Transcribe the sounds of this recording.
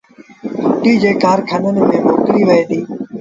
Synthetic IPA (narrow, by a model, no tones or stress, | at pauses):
ʈiːd͡ʑeːkaːɾkʰənənɪ̆mẽːmoːkɾiːʋəeːd̪iː